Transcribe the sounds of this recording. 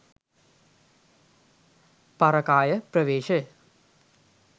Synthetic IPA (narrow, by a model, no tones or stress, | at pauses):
paɾɐkaːjəprəʋeːʃə